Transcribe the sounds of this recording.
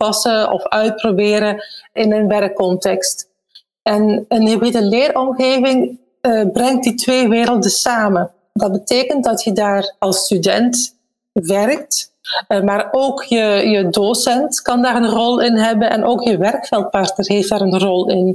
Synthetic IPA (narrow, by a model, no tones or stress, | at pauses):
pɑsəɔ̰fœɥt̚probɪːɾəɪnənʋɛrkːɔntɛkst | ɛnənɦebetəlɪːrɔmɣeːvɪŋ | brɛŋt̚ditʋeːʋɪːɾəlˠdəsaːmə | dɑd̚bəteːkəntdɑtʰjədaːrɑlˠstydɛnt | ʋɛrk̚tmaːroːkjəjədosɛntkɑndaːɾənrɔlˠɪnɦɛbənʔɛ̰nʔoːkjəʋɛrkfɛlˠt̚pɑrtnərɦefdaːɾənrɔlˠɪn